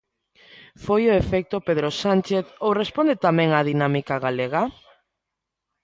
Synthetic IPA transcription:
fojʊefɛk̚t̪opeðɾosant͡ʃeθowrespond̪et̪amɛ̃ŋaðinamikaɣaleɣa

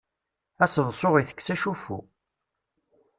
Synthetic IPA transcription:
æsəðˤsʊʁiθə̥kːsæʃufṵ

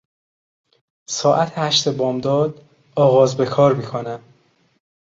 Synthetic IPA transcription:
sɒːʔæt̪ʰehæʃt̪e̞bɒːmd̪ɒːd̪ | ɒːɣɒːzbe̞kʰɒːɾmiːkʰonæm

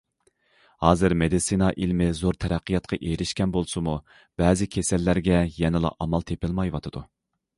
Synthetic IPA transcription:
hɑːzɨɾmed̪ɨsinɑʔilmɪzoɾt̪ʰɛɾæqʰːɨjɑt̪̚qʰɑʔeɾɪʃkʲɛnbolˠsɨmu | b̥ɛːzɪkʲʰesælːæɾɡʲɛjɛnɪlˠɑ̰ʔɑmɑlˠt̪ʰepɪlˠmɑjwɑt̪ʰɨd̪̥u

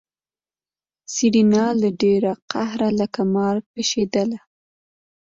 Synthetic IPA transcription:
siɽinɑlaɖeɾaqahɾaləkamɑɾ̚peʃed̪əla

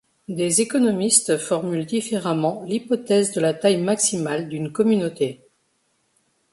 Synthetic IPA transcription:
d̪ezekɔnɔmist̪fɔʁmyld̪ifeʁamɑ̃lipɔt̪ɛzd̪əlat̪ajmaksimald̪ynkɔmynot̪e

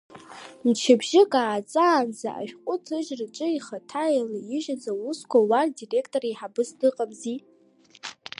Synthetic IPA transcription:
nt͡ʃʰɪbʒɪkʼaːt͡sʼaːnd͡za̰ʔa̰ʃᶣqʷʼʊtʰɨʒrɨt͡ʃʼɨiχatʰajlaɪʒad͡zawuskʷʰawardire̞kʰtʼorajħabɨsdɨqʼamzi

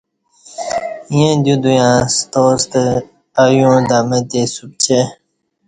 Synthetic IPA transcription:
jẽd̪jũd̪ujãːst̪oːst̪e | ajũd̪aːmet̪esup̚t͡ɕʰe

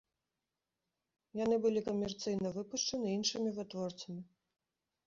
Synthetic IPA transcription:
janɨbɨlʲikɐmʲɛrt̪sɨjnɐvɨpuʂt͡ʂɐnɨinʂɨmʲivɨt̪vɔrt̪sɐmʲi

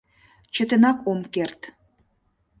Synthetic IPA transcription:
t͡ɕə̆t̪ə̆nɑkomkert̪

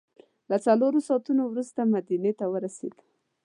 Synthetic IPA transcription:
lat͡saloɾosɑt̪unowɾust̪amad̪inet̪awəɾasḛd̪

